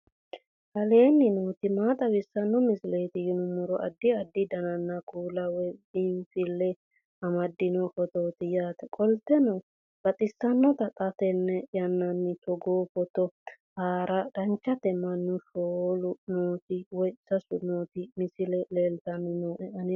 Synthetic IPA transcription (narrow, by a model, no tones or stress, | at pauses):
hɐleːnːɪnoːt̪ɪmaːt̪ʼɐwɪsːɐnːɔmɪsɪleːt̪ɪjʊnʊmɔɾɔʔɐ̰d̪ːɪɐd̪ːɪd̪ɐnɐnːɐkʰʼuːlɐwɔjɪnfɪlːɛ | ɐmɐd̪ːɪnɔfɔt̪oːt̪ɪjaːt̪ɐkʼɔlt̪ːɛnɐw | b̥ɐt̪ʼɪsːɐnːɔt̪ɐk̪ʼɐt̪ɛnːɛjɐnːɐnːɪt̪ɔɡoːfɔt̪ɔ | haːɾʔɐd̪ɐnt͡ʃːɐt̪ɛmɐnːʊʃoːlʊnoːt̪ɪwɔjsɐsʊnoːt̪ɪmɪsɪlɛleːlt̪ɐnːɪnoːʔɛɐnɪ